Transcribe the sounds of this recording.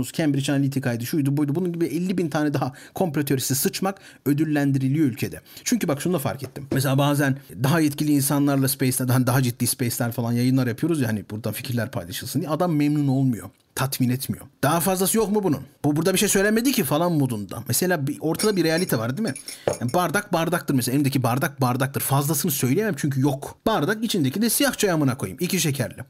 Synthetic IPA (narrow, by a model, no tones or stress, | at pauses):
uz̥cʰænbiɾit͡ʃanalʲit̪ʰikʰajd̪ɯʃujd̪ubujd̪ubununɟibiɛlʲːibint̪ʰaːnɛd̪aɦakʰo̞mplʲot̪ʰøɾisisɯt͡ʃmak | ød̪ylʲːænd̪iɾilʲijo̞ylʲcʰed̪ɛ̰t͡ʃʰyɲcybakʃunud̪afa̰ɾkʰɛt̪ʰːimmes̬elʲaːbaːzænd̪aɦajɛt̪cʰilʲiːnsanlˠaɾlˠaspʰɛjslʲæɾd̪ɦanid̪aɦad͡ʒit̪ːiːspɛjslʲæɾfalˠanjajɯnlˠaɾjapʰɯjo̞ɾuzjaːanibuɾd̪anficʰiɾlʲæɾpʰa̰jlˠaʃɯlˠsɯnd̪ijɛad̪amːɛmnuno̞lˠmujo̞̰ | t̪ʰat̪miːnɛt̪mijo̞̰d̪aɦafazlˠasɯjo̞kmubunṵnbubuɾd̪abiʃejsø̞jlʲænmed̪icʰifalˠanmod̪und̪a̰mese̞lʲaːbio̞ɾt̪ʰad̪abiɾejalʲit̪ʰɛvaɾd̪imɪjanbaɾd̪ak̚baɾd̪akt̪ɯɾmeseaelʲimd̪ecʰibaɾd̪ak̚baɾd̪ak̚t̪ʰɯɾfazlˠasɯnɯsø̞jlʲejemmt͡ʃʰyɲcʰyjokb̥aɾd̪akit͡ʃʰind̪ecʰid̪ɛsijaxht͡ʃʰajamanakʰo̞̰jɯ̰miciʃ̬ecʰæɾlʲɛ̰